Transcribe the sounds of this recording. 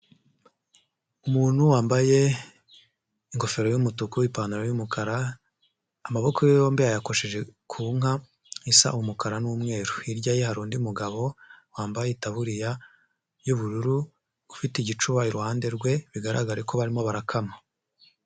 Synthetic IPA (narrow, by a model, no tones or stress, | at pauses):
umuːn̥huwaːmbaje̞ | iŋko̞fe̞ɾo̞jumutukuwipaːnduɾajumukaɾaː | maβo̞kojojo̞ːmbijajako̞ʃe̞ʒe̞kʰuːŋɦa | isa̰ʔumukaɾanumŋe̞ːɾuiɾɟajehaɾuːndiumuɡaβo̞waːmbajeitaβuɾija | juβuɾuɾu | ufitiɟit͡ʃuβaiɾuhaːnde̞ɾɡwe̞βiɡaɾa̰ɡaɾeko̞βaɾimo̞βaɾakʰama